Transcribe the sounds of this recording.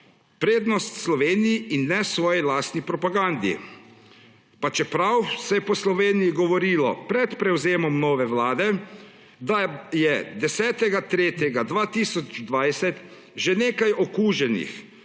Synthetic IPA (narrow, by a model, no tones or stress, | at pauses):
pɾeːd̪nɔst̪slɔʋeːnijiinːɛsʋɔːjilaːst̪nipɾɔpaɡand̪ḭ | pat͡ʃɛpɾawsɛjɛpɔslɔʋeːnijiɡɔʋɔɾiːlɔ̰pɾɛt̪pɾɛwzeːmɔmnɔːʋɛʋlaːd̪ɛ | d̪ajɛd̪ɛsɛːt̪ɛɡat̪ɾeːt̪jɛɡad̪ʋaːt̪iːsɔd͡ʒd̪ʋajsɛt̪ | ʒeneːkajɔkuːʒɛnḭx